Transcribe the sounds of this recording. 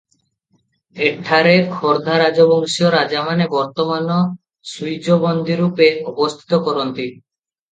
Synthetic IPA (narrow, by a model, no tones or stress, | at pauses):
eʈʰːaɾekʰɔɾd̪ʱaɾad͡ʑoboŋsioɾad͡ʑamanebɔɾt̪omano | sujd͡ʑobond̪ʱiɾupeɔbost̪ʰi̥t̪okɔɾont̪i